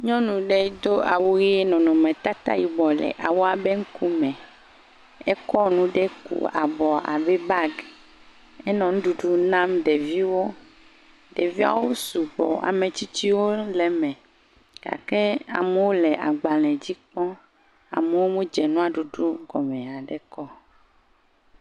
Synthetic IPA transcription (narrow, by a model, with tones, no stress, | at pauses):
ɲɔ̃˦nũ˨ɖe˦d̪o˦ʔa˨wu˦je˦nɔ̃˨nɔ̃˨mɛ̃˨t̪a˦t̪a̰˦ji˨bɔ˨lɛ̰˨ʔa˨wo˦a˨be˦ŋ̩˦ku˦mɛ̃˨ | e˦kɔ˦nũ˨ɖe˦kṵ˨a̰˨bɔ˨a̰˨be˦ba˦ɡ | e˦nɔ̃˨nũ˦ɖu˨ɖu˦nã˦mɖe˨vi˦wo˦ | ɖe˨vi˦a̰˨wo˦su˨bɔ̰˨a̰˨mẽ˨t͡ɕi˦t͡ɕi˦wõ˦le˨mɛ̃˨ | ka̰˨ke˦a̰˨me˨wo˦lɛ˨ʔa˨ɡ͡ba˨lɛ̃˨d͡ʑi˦k͡pɔ̃˦ | a̰˨me˨wo˦mũ˦d͡ʒɛ˨nũ˦a˨ɖu˨ɖu˦ɡɔ˨mẽ˨a˨ɖe˨kɔ˦